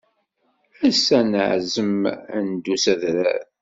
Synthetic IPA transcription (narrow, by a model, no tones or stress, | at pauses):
æsːænəʕzəmənd̪usæðɾæ̰ð